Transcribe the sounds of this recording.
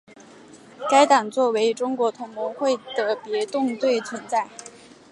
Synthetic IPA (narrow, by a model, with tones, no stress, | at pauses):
ka˥ɪt̪ɑ˨˩ŋt͡swɔ˥˩we˧˥ɪʈ͡ʂʊ˥ŋkwɔ˧˥t̪ʰʊ˧˥ŋmɔ˧˥ŋxwe˥˩ɪd̪̥ə˩pjɛ˧˥t̪ʊ˥˧ŋt̪we˥˩ɪt͡sʰwə˧˥nt͡sa˥˩ɪ